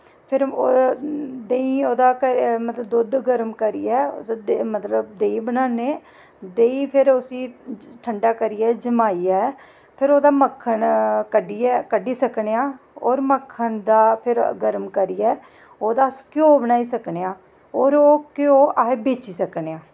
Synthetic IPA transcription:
pʰɪɾoːd̪eːĩːoːd̪aːkəɾmət̪ləbd̪ʊd̪ɡəɾmkəɾḭːɛːo̰ːd̪ad̪mət̪ləb̚d̪eːiːbənaːneː | d̪eːiːpʰɪɾʊsĩːʈʰəɳɖaːkəɾiːɛːd͡ʒəmaːiːɛː | pʰɪɾoːd̪aːməkʰːəɳkəɖiːɛːkəɖiːsəkɳeːãː | oːɾməkʰːəɳd̪aːpʰɪɾɡəɾmkəɾiɛː | oːd̪aːskjõːbənaːiːsəkneːãː | oːɾoːkɪõːʔaːɦeːbeːt͡ʃiːsəkneːãː

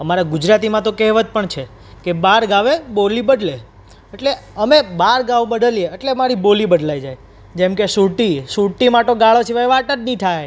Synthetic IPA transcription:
əmaɾaɡʊd͡ʒɾat̪imãt̪okɛɦʋət̪̚pəɳt͡ʃʰe | kebaɾɡaʋebolibəɖle | eʈleəmebaɾɡaʋbəɖ̪əlieeʈlemaɾibolibəɖlajd͡ʒaj | d͡ʒemkesuʈisuʈimaʈoɡaɭot͡ʃʰiʋaʋaʈəɾniʈʰaj

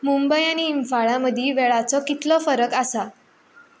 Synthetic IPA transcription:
mumbəjaniːmfaɭaməd̪ʱiːʋɛɭat͡sɔkit̪lɔfəɾəkasa

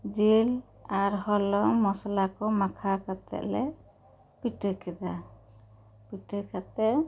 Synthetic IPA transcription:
d͡ʒil | aɾhɔlɔŋmɔslakɔmakʰakat̪ɛ̰ʔlɛ | pit̪ujkʰɛd̪a | pitujkʰat̪ɛʔ

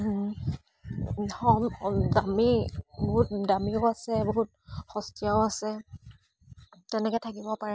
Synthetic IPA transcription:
xɔmdamiboɦut̚damiɔasɛbɔɦut̚ | xɔstijaʊasɛ | tɛnɛkɔɛtʰakibɔpaɹɛ

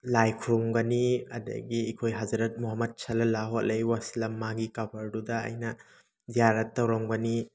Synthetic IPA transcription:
lajkʰuɾumɡɐniɐ̰dɐ̰ɡiːkʰojɦɐzɐɾɐt̚muɦɐmɐd̚t͡ʃʰɐlɐlaɦot̚lʔejwasilɐmːaɡikɐbɐɾdudɐɐ̰jnɐ | ziaɾɐtːɐwɾɐmɡɐni

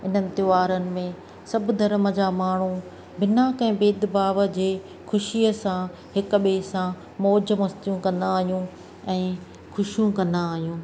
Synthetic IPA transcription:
ɪn̤ənɪ̆t̪ɪʋaːɾənɪ̆mẽ | sɐbd̪ʱɐɾməd͡ʑaːmaːɳ̤ũ | bɪnaːkɛ̃ːbeːd̪baːʋəd͡ʑeː | xʊʃiːəsã | hɪkʊ̆ɓeːsã | moːd͡ʑə̆mɐst̪jũkɐ̃nd̪aːɦijũ | ɛ̃ː | xʊʃijũkɐ̃nd̪aːɦijũː

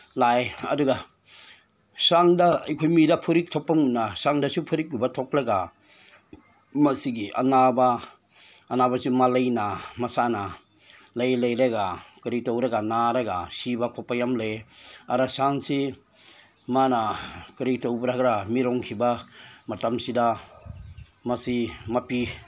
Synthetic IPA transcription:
lajɐ̰duɡa | saŋdɐɐ̰jkʰojmidɐpʰuɾik̚tʰopːaŋunːasaŋdɐsupʰuɾik̚ːubɐtʰok̚ɾɐɡa | mɐsiɡiʔɐ̰nabaː | nabɐsimalɐjnamɐsanɐ | lajlajɾaɡakɯɾitowɾɐɡanaɾaɡasibakʰɔpːajamlejaɾasaŋsi | manakɯɾitowbɾakɾamiɾɔŋkʰibamatamsida | mɐsimapi

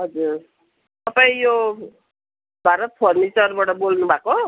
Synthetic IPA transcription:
ɦʌd͡zur | t̪ʌpaĩjo | bʱaɾʌt̪̚pʰʌrmit͡sʌrbaʈʌbolnubʱako

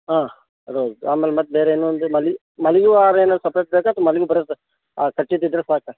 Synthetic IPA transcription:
ɦãː | ɾoːzaːmeːlmɐt̪̚ːbeːɾeɪnːuːnd̪ɨmɐl | mɐlijuːaːɾeːnɐlsɐpɾeːʈ̚beːkaːt̪omɐlijubɐɾɐs | kɐʈːid̪ɪd̪ɾɐsaːka

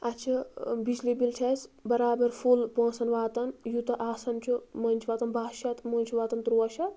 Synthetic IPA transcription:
ɐt͡ʃʰibid͡ʒlibilt͡ʃʰɐsbɐɾaːbɐɾfʰulpõːsɐnʋaːt̪ɐnjut̪ɐʔaːsɐnt͡ʃʰumɐnt͡ʃʰiʋaːt̪ɐnbaːʃɐt̪mɐːnʲt͡ʃʰuʋaːt̪ɐnt̪ɾuɐʃɐ

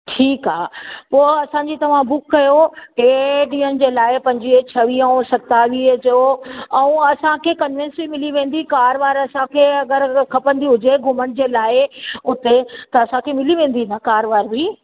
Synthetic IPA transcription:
ʈʰiːkɦaːpoːɐsãːɲd͡ʑit̪ɐʋ̤ãbʊkːɐjoeːɖiːən̆d͡ʑeːlaːɪpɐ̃ɲd͡ʑit͡ɕʰɐʋiːɐʊ̃sɐt̪aʋiːd͡ʑoɛ̃ũɐsãkʰekɐnʋɛ̃nsbimɪliʋẽːn̆d̪ikaːɾʋaːɾɐsãkʰeɐɡəɾkʰɐpə̃nd̪iɦʊd͡ʑeɡʱʊməɽ̃ɪ̆d͡ʑeːlaːɪʊt̪et̪ɐɐsãkʰemɪliʋẽːn̆d̪inɐkaːɾʋaːɾbi

